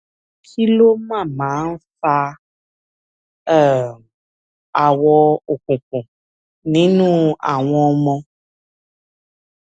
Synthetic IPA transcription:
kʰi˦lo˦mã˦˨mã˨˦n̩˦fa˦ | ɛ˦˨ | a˨wɔ˧o˨kũ˨kũ˨ | nĩ˨˦nũ˦a̰˨w̃ɔ̃˦mɔ̃˦

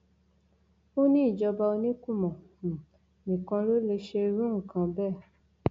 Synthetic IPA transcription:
o˦nĩ˦i˦˨d͡ʒɔ˧ba˧o˧nĩ˦ku˦˨mɔ̃˨ | nĩ˨kã˧ɾo˦le˧ʃe˧ɾũ˦ŋ̩˨kã˧bɛ˦˨

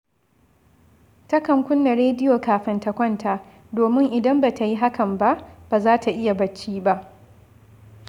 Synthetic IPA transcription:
tɐ˦kɐ˨ŋkʷʊ˦nːa˨ɾeː˦dɪ˦joː˨kaː˨ɸɪ˦ntɐ˨kʷɐ˦ntaː˦˨ | doː˨mɪ˦ŋʔɪ˨dɐ˦mba˨ta˨ji˦ɦa˦kɐ˨mba˦ʔb̥aː˨zaː˦tʰa˨ʔɪ˦ja˨bɐ˨t͡ʃːiː˦ba˦ʔ

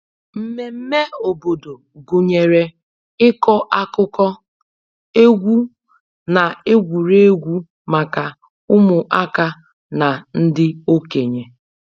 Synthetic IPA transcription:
m̩˦me˨m̩˦me˦o˨bo˨do˨ | ɡu˨ɲe˨ɾe˨ | ɪ˦kɔ˦ʔa˦kʊ˦kɔ˦ | e˦ɡʷu˦ | na˨e˦ɡʷu˨ɾe˦e˦ɡʷu˦ | ma˨ka˨ | ʊ˦mʊ˨ʔa˦ka˦ | na˨n̩˦dɪ˦o˦ke˨ɲe˨

